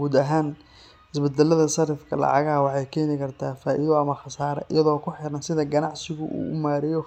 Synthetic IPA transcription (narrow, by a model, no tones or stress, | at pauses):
ɡuːd̪ɐɦaːn | hɪsbɐd̪ɛlɐðɐsɐɾɪfkʰɐlɑ̰ʕɑ̰ɣɐwɑħɑjkʰɛːnɪkʰɐrt̪ʰaːfaːʔiðɔɐmɐxɑsaːɾɐ̰ʔɪ̰jɐðɔːkʰʊħɪɾɐnsɪðɐɡɐnɑʕsɪɣʊʔṵːʊmaːɾɛjɔ